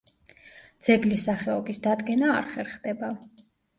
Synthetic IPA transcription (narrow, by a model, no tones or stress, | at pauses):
d̪z̥ɛɡlisaχɛɔbisd̪ad̪ɡɛna̰ːɾχɛɾχd̪ɛba